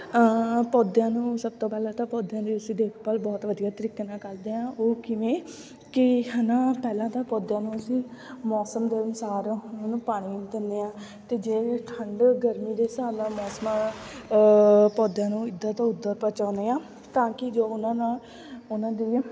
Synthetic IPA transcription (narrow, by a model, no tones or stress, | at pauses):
pɔːd̪jãːnũːsəb̚t̪oːpɛːlãːt̪aːpɔːd̪jãːd̪iːəsĩːd̪eːkʰpəːlbɔːt̪ʋəd̪ijaːt̪əɾiːknãːkəɾd̪eːãːʔoːkɪʋẽː | kɪnãːpɛːlãːt̪aːpɔːd̪jãːnũːəsĩːmɔːsəmd̪eːənʊsaːɾnaːnũːpaːɽ̃iːd̪ɪnːeːãː | t̪eːd͡ʒeːʈʰəɳɖɡəɾmiːd̪eːsaːɾnãːmɔːsma | pɔːd̪jãːnũːɪd̪ːãːt̪aːʊd̪ːəɾpət͡ʃaːneːãː | t̪ãːkɪd͡ʒoːʊnãːnãː | ʊnãːd̪iː